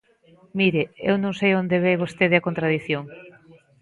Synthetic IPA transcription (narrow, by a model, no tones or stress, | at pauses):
miɾeḛwnõŋsejond̪eβeβost̪eðeɐkont̪ɾaðiθjoŋ